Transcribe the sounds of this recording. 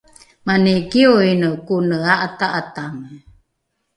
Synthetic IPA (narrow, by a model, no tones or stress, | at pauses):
maneɡioinəkunəaʔataʔatam